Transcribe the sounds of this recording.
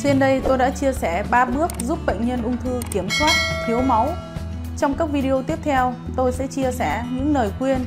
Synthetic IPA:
t͡ɕe˧nɗə˧jt̪o˧jɗa̰ː˧˥t͡ɕi˧əsɛ˧˩ɓaː˧ɓɨ˦˥ək̚zu˦˥p̚ɓə̰˧˨jŋɲə˧nʔʊ˧ŋ͡mt̪ʰɨ˧ki˧˩əmswaː˦˥t̚t̪ʰi˨˦əwma˨˦w | t͡ɕɔ˧wŋ͡mkaː˦˥k̚vi˧ɗi˧ʔo˧t̪i˦˥əp̚t̪ʰɛ˧wt̪o˧jsɛ̰˧˥t͡ɕi˧əsɛ˧˩ɲɨ̰˧˥ŋnəː˨˩jkwi˧ən

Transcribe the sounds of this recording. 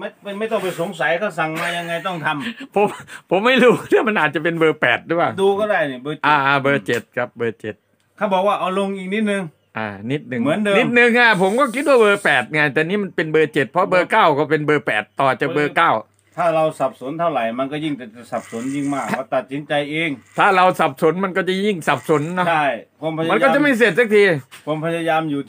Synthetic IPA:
ma˥˩ma˥˩ma˥˩jt̪ɔ˥˩pa˧jso˨˦ŋsa˨˦jkʰa˥˩sa˨˩ŋmaː˧ja˧ŋːa˧jt̪ɔ˥˩ŋt̪ʰa˧mpʰo˨˦mpʰo˩˦mːa˥˩jɾuː˦˥t̪ʰaː˥˩ma˧nʔaː˨˩t̪̚t͡ɕa˨˩pe˧nbɤː˧pɛː˨˩t̪̚ɾi˦˥paː˧˩wduː˧kɔː˥˩daː˥˩jni˧˩bɤː˧ʔaː˧˩ʔaː˧˩bɤː˧t͡ɕe˨˩t̪̚kʰa˦˥p̚bɤː˧t͡ɕe˨˩t̪̚ | kʰaː˥˩bɔː˨˩k̚waː˥˩ʔa˧wlo˧ŋʔiː˨˩k̚ni˦˥t̪̚nɯ˧ŋ | ʔa̰ː˧˩ni˦˥t̪̚nɯ˨˧ŋmɯ˩˦əndːni˦˥t̪̚nɯ˧ŋʔa˧˩pʰo˩˦mkɔː˥˩kʰi˦˥t̪̚waː˥˩bɤː˧pɛː˨˩t̪̚ŋa˧jt̪ɛː˨˩niː˦˥ma˧npe˧nbɤː˧t͡ɕe˨˩t̪̚pʰɔ˦˥bɤː˧kaː˥˩wkɔː˥˩pe˧nbɤː˧pɛː˨˩t̪ːɔː˨˩t͡ɕa˨˩bɤː˧kaː˥˩w | t̪ʰaː˥˩ɾa˧wsa˨˩p̚so˨˩˦nt̪ʰa˥˩wɾa˨˩jma˧nkɔː˥˩ji˥˩ŋt̪ɛː˨˩t͡ɕa˨˧˩sa˨˩p̚so˩˦nji˥˩ŋmaː˥˩kɔː˥˩t̪a˨˩t̪̚si˨˦nt͡ɕa˧jʔeː˧ŋt̪ʰaː˥˩ɾa˧wsa˨˩p̚so˨˦nma˧nkɔː˥˩t͡ɕa˨˩ji˥˩ŋsa˨˩p̚so˩˦nːɔ˦˥a˥˩jpʰu˧əmpʰa˧˥ma˧nkkɔ˥˩˧t͡ɕa˧˩ma˥˩s̬e˨˩t̪̚sa˦˥k̚t̪ʰiː˧u˧mpʰa˧˥ja˧jaː˧mjuː˨˩

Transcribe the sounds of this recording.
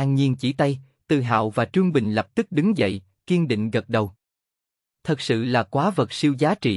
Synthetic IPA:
aː˧ŋɲi˧ənt͡ɕi˧˩t̪a˧j | t̪ɨ˨˩ɦa̰ː˧˨wvaː˨˩t͡ɕɨ˧əŋɓï˨˩ŋ̟lə˨˩p̚t̪ɨ˦˥k̚ɗɨ˨˦ŋzə̰˧˨j | ki˧ənɗḭ˧˨ŋ̟ɣə˨˩t̚ɗə˨˩w | t̪ʰə˨˩t̚sɨ̰˧˨laː˨˩kwaː˨˦və˨˩t̚si˧wzaː˨˦t͡ɕḭ˧˨

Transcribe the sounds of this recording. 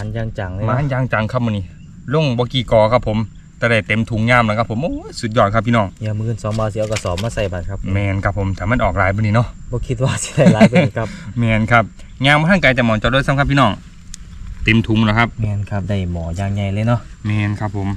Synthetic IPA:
maː˨˧˦njaː˧˩ŋt͡ɕa˨˩ŋlːmaː˧˨˥njaː˧ŋt͡ɕa˨˦ŋkʰa˧˩p̚bɔ˧niː˧˨ | lo˧˥˩ŋbɔː˧˦kiː˧˩kɔː˨˩kʰa˧˥pʰːo˨˦m | t̪ɛː˧˦ɾa˧˩jt̪e˨˦mt̪ʰu˨˦ŋɲaː˧˥˨mla˧˦kʰa˧pʰːo˨˦mʔoː˧˦˥jsu˧˦t̪̚jɔː˧˩˨kʰa˧pʰi˧nɔː˧˩ŋɲi˧˨mɯː˧˩nsɔː˨˦ŋmaː˧˩wsi˧˦ʔɔ˧˩ka˧˩˨sɔː˨˦maː˧sa˧˩jba˨˧˩nkʰa˧p̚ʰmɛː˧˩nkʰa˧˥pʰːo˨˦mt̪ʰaː˨˩ma˧˥˨nʔɔː˨˩k̚laː˨˦jbɔ˧˨niː˧nɔ˧˨bɔː˧˦kʰi˧t̪̚waː˧si̥˧˦da˧˩jlaː˨˧jbɔ˧ni˧kʰa˧p̚mɛː˧˩nkʰa˧˥p̚ | ɲaː˧˥˨mɔː˧t̪ʰa˥˨ka˨˧˦j̪ɛ˧˩mɔː˨˦t͡ɕɔ˧˩do˧˥˨sa˧˨kʰpʰːiː˧nɔː˧˩ŋ | t̪e˨˦mt̪ʰu˨˦ŋlɛː˧˦kʰa˧˥p̚mɛː˧nkʰa˧˩p̚da˧˩jmɔː˨˩˦jaː˧˨ŋɲa˧˩jlɤː˧˨jnɔ˧˥˨ʔmɛː˧nkʰa˧˩pʰːo˨˦m

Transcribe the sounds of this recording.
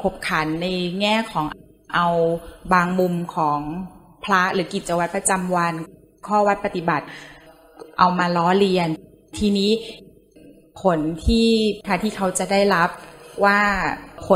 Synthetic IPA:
kʰo˧˩p̚kʰa˨˩˦nːa˧jŋɛː˥˩kʰɔː˩˦ŋʔ | ʔa˧wbaː˧ŋmu˧mkʰɔː˩˦ŋ | pʰla˦˥ɾɯː˩˦ki˨˩t̪̚t͡ɕa˧wa˧˦t̪̚pa˧t͡ɕa˧mwa˧n | kʰɔː˥˩wa˦˥t̪̚pa˧t̪i˨˩ba˨˩t̪̚ | ʔa˧wmaː˧lɔː˦˥li˧ən | t̪ʰiː˧niː˦˥˨ | kʰo˩˦nt̪ʰiː˥˩pʰaː˧˩t̪ʰiː˥˩kʰa˦˥wt͡ɕa˨˩da˥˩jla˦˥p̚waː˥˩kʰo˨˦

